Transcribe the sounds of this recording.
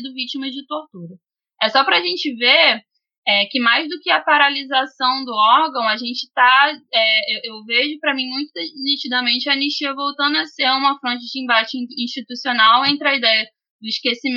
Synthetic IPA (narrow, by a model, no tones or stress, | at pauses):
d̪ʊvit͡ʃimɐd͡ʒɪt̪oht̪uɾɐ | ɛsɔpɾɐaʒẽnt͡ʃɪve | ɛkɪmajzd̪ʊkɪɐpaɾalizasɐ̃w̃d̪ʊɔhɡɐ̃w̃ɐʒẽnt͡ʃɪ̥t̪aɛewʔewveʒʊpɾɐmĩmũj̃t̪ʊd̪enit͡ʃid̪ɐmẽnt͡ʃɪɐniʃiɐvowt̪ɐ̃nd̪ʊɐseũmɐfɾõnt͡ʃɪd͡ʒɪĩbat͡ʃɪ̃ĩʃt͡ʃit̪usionawẽnt̪ɾɪɐid̪ɛjɐ | d̪ʊiʃkesim